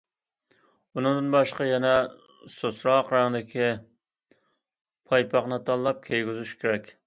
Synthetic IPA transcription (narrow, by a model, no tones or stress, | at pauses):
unɨŋd̪ɨnbɑʃqɑjɛnɛ | sosɾɑqɾɑŋd̪ɪkʲʰi | pʰɑjpʰɑqnɨt̪ʰɑlˠːɑp̚kʲʰejɡʲyzyʃkʲʰeɾɛkʲ